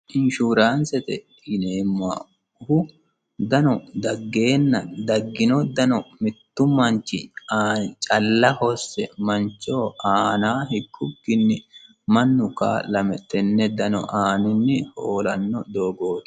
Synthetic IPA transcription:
ʔɪnʃuːɾaːnsɛt̪ɛ̰ | ɪnemːa̰ː | ʊhʊ | d̪ɐnɔd̪ɐɡːe̞ːnːɐd̪ɐɡːɪnɔd̪ɐnɔmɪt̪ːʊmɐnt͡ʃːɪ̰aːt͡ʃʼɐlːɐhɔsːɛmɐnt͡ʃːoːʔaːnaːhɪɡʼːʊɡːɪnːɪ | mɐnːʊka̰ːlɐmɛt̪ːɛnːɛd̪ɐnɔ̰ʔaːnɪnːɪhoːlɐnːɔd̪o̞ːɡo̞ːt̪

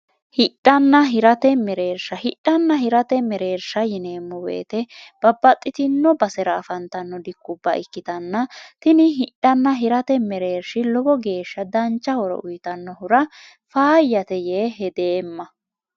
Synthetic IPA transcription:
hɪᶑːɐnːɐɦɪɾɐt̪ɛmɛɾeːɾʃɐhɪᶑːɐnːɐhɪɾɐt̪ɛmɛɾe̞ːɾʃɐjɪneːmːɔwḛːt̪ɛb̥ɐbːɐt̪ʼːɪt̪ɪnːɔbɐsɛɾɐːfɐnt̪ɐnːɔd̪ɪkːʊbːɐ̰ʔɪkːɪt̪ɐnːɐt̪ɪnɪɦɪᶑːɐnːɐɦɪɾɐt̪ɛmɛɾeːɾʃɪlɔbɔɡe̞ːʃːɐd̪ɐnt͡ʃːɐhɔɾɔ̰ʔʊjt̪ɐnːɔɦʊɾɐ | faːjːɐt̪ɛjeːɦɛd̪eːmːɐ

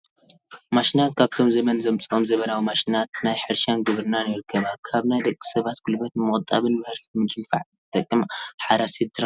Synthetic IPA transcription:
maʃinat̪kʰaβt̪ʰo̞mzɐmɐnzɐmt͡sʼo̞mzɐβɐlawimaʃinat̪najħɨɾʃanɡɨβɾɨnanjɪɾɨkʰːɐβakʰaβnajd̪ɐkʼːi̥sɐβat̪ɡ̥ulbɐt̪mɨχʼt̪ʼːa̰βɨnmɐhɨɾt̪ʰi̥mɨt͡ʃʼɨmfa̰ʕt̪ʰɨt̪ʼɐkʼːɨmħaɾasid̪ɨɾa

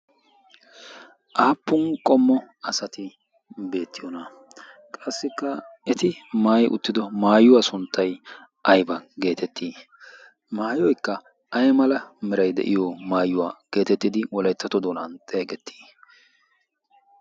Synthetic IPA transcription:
ʔaːpːʊnkʼɔmːɔɐsɐt̪ɪ | be̞ːt̪ːɪjonɐ | kʼɐsːɪkːɐɛt̪ɪmaːjʔʊ̰t̪ːɪd̪ɔmaːjʊwasʊnt̪ːɐj | ʔɐjbɐɡe̞ːt̪ɛt̪ːiː | maːjɔjkːɐ | ʔɐjmɐlɐmɪɾɐjd̪ɛ̰ʔɪ̰jɔmaːjʊwaːɡ̥e̞ːt̪ɛt̪ːɪd̪ɪwɔlɐjt̪ːɐt̪ɔd̪oːnɐ̰nt̪ʼeːɡɛt̪ʰːi̥ː

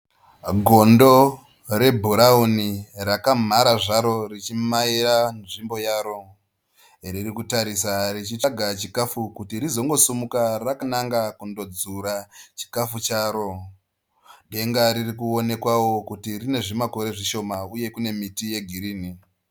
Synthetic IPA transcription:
ɡʱo̞ndo̞ | re̞bʱuɾaunirakam̤aɾaʐaɾo̞rit͡ʃimaiɾanʐimbo̞jaːɾo̞ | ririkutaɾisarit͡ʃitaɡʱat͡ʃikafukutirizo̞ŋɡo̞sumukarakanaŋɡakundo̞d͡zuɾat͡ʃi̥kafut͡ʃaːɾo̞ | ɗe̞ŋɡaɾirikuo̞ne̞kwawo̞kutirine̞ʐimako̞ɾe̞ʐiʃo̞mauje̞kune̞mitije̞ɡʱiɾiːni

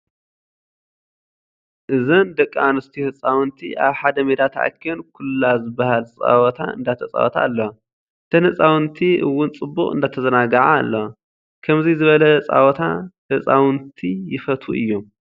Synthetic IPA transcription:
ʔɨzɐnd̪ɐkʼːanɨst̪ʰihɨt͡sʼawɨnt̪ʰiʔaβħad̪ɐmed̪at̪ʰaʕa̰kʰːionkʰulːazɨbːahalt͡sʼa̰wɔt̪ʰa̰ɨ̰nd̪at̪ʰɐt͡sʼa̰wɔt̪ʰa̰ːlːo | t̪ʰɐnhɨt͡sʼawɨnt̪ʰiʔɨ̰wːʊnt͡sʼɨbːuχʼɨ̰nd̪at̪ʰɐzɐnaɡɐʕaːlːɐ | kʰɐmzizɨβɐlɐt͡sʼa̰wɔt̪ʰahɨsʼawnt̪ʰijɪfɐt̪ʰuʔɨ̰jːu

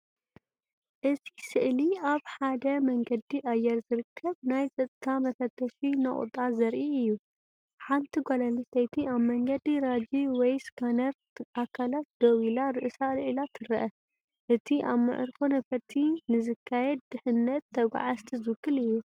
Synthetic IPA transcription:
ʔɨtʰisɨʔliaβħad̪ɐmɐŋɡɐd̪iʔajɛɾzɨɾɨkʰːɐβnajzʼɐt̪ʼt̪ʰamɐfɐt̪ʰːɐʃinɐχʼṵt̪ʼazɐɾʔiɨjːu | ħant̪ʰiɡolɐnistɐjt̪ʰiaβmɐŋɡɐd̪iɾad͡ʒiwɔjskʰanɐɾ | akʰːalat̪̚d̪̥owilaɾɨʔɨsalʕɨlat̪ʰɨɾɐʔɐ | ʔɨt̪ʰiʔaβmɨ̰ʕɨ̰ɾkʰonɐfɐɾt̪ʰinɨzɨkʰːajɛd̪̚ːɨħɨnːɐt̪ʰːɐɡʷa̰ʕast̪ʰizɨkʰːɨlɨjːu

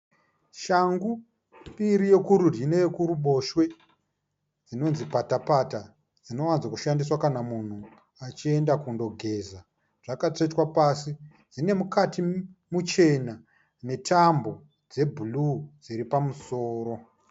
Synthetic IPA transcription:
ʃaŋɡu | ɓiɾije̞kuɾurineje̞kuɾuɓo̞ʃwe̞ | d͡zino̞nzipatapata | d͡zino̞wanzakuʃandiswakanamun̤u | at͡ʃie̞ndakundo̞ɡʱe̞ːza | ʐ̥akatoitwapasi | d͡zine̞mukatimut͡ʃe̞na | ne̞tambo̞ | d͡ze̞bʱulud͡ziɾipamuso̞ːɾo̞

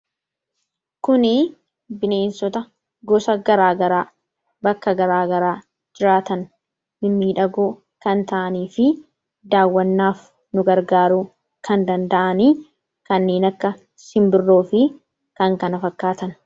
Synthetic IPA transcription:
kʊnɪ | bɪne̞ːnsɔt̪ɐ | ɡɔsɐɡɐɾaːɡɐɾaː | bɐkːɐɡɐɾaːɡɐɾaː | d͡ʒɪɾaːt̪ɐn | mɪmːiːᶑɐɡoː | kɐnt̪ɐʔɐniːfɪ | d̪aːwːɐnːaːf | nʊɡɐɾɡaːɾuː | kʰɐnd̪ɐnd̪ɐʔɐniː | kɐnːe̞ːnɐkːɐ | sɪmbɪrːo̞ːfɪ | kɐŋkɐnɐfɐkːaːt̪ɐn

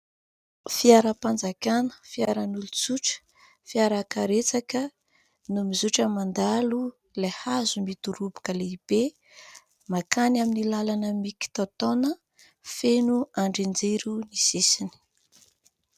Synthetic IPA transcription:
fiaɾəpand͡zakʲanə̥fiaɾənulut͡suʈ͡ʂə̥ | fiaɾakaɾet͡sakə | numizuʈ͡ʂəmand̪alu | lehazumit̪uɾubu̥kəleib̥e | makanaminilalanəmiki̥t̪ot̪onə | fenuaɳɖ͡ʐind͡zeɾunisisini̥

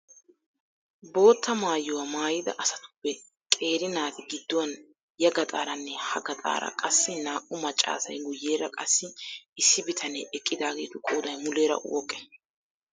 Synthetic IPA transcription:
bo̞ːt̪ːɐmaːjːʊwɐmaːjɪd̪ɐ̰ʔɐsɐt̪ʊ̥pːɛ | kʼe̞ːɾɪnaːt̪ɪɡɪd̪ːʊwɐn | jɐɡɐt̪ʼaːɾɐnːɛhɐɡɐt̪ʼa̰ːɾɐ̰kʼɐsːɪnaːʔʼʊmɐt͡ʃʼːa̰ːsɐ̰jɡʊjːe̞ːɾɐkʼɐsːɪɪsːɪbɪt̪ʰɐnɛʔɛkʼːɪd̪aːɡe̞ːt̪ʊkʼuːd̪ɐjmʊle̞ːɾɐ̰wɔkʼːɛ̥

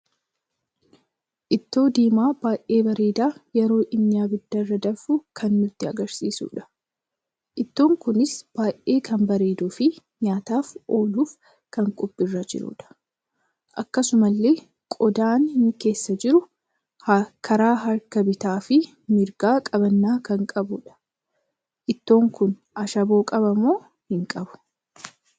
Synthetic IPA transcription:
ʔɪt̪ːo̞ːd̪iːmaːbaːʔe̞ːbɐɾeːd̪aːjɛɾo̞ːʔɪnːɪjaːbɪd̪ːɐrːɐd̪ɐfʊkʰɐnːʊt̪ːɪɐɡɐɾsiːsṵːᶑɐ̥ | ʔɪt̪ːo̞ːŋkʊnɪsb̥aːʔe̞ːkʰɐmbɐɾeːd̪uːfɪ | ɲaːt̪aːfo̞ːluːf | kɐŋkʼɔpʼːɪrːɐd͡ʒɪ̰ɾʊ̰ᶑɐ̥ | ʔɐkːɐsʊmɐlːe̞ː | kʼɔd̪aːnnke̞ːsːɐd͡ʒɪɾʊ | kʰɐɾaːɦɐɾkɐbɪt̪aːfɪ | mɪɾɡaːkʼɐbɐnːaːkɐŋkʼɐbʊᶑɐ̥ | ʔɪt̪ːo̞ːŋkʊnʔɐʃɐbo̞ːkʼɐbɐmːo̞ː | hɪŋkʼɐbʊ̥

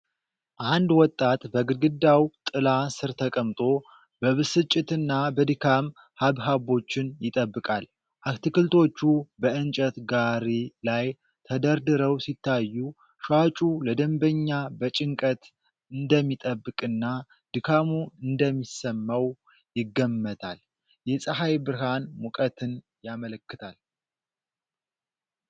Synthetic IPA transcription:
ʔand̪wɔt̪ʼːat̪bəɡɨd̪ɡɨd̪ːawt̪ʼɨlasɨɾt̪ʰəkʼəmt̪ʼo̞ | bəβɨsɨt͡ʃʼːɪt̪ɨnːabəd̪ɨkʰam | haβɦabo̞t͡ʃːɪnjɪt̪ʼəbːɨkʼal | ʔakt̪ʰɨkɨlt̪ʰo̞t͡ʃːubəʔɨnt͡ʃʼət̪ɡaɾilaj | t̪ʰəd̪əɾd̪ɨɾəwsit̪ʰːajːu | ʃat͡ʃʼuləd̪əmbəɲːabət͡ʃʼɪŋkʼət̪ | ɨnd̪əmːit̪ʼəbːɨkʼɨnːa | d̪̥ɨkʰamuɨnd̪əmːisəmːəw | jɪɡːəmːət̪ʰal | jɛsʼəɦajbɨɾɦanmukʼət̪ʰɨn | jamələkːɨt̪ʰal

